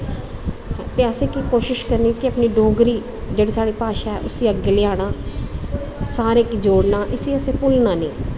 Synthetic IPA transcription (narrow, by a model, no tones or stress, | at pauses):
t̪eːəsẽːkiːkoːʃɪʃkəɾniːɛkɪəpniːɖoːɡɾiː | d͡ʒeːɽeːsaːɽiːpaːʃaːɛːʔʊsiːəɡeːlɪaːɽ̃aː | saːɾẽːkd͡ʒoːɽnaːʔɪsiːəsẽːpʊlnãːneː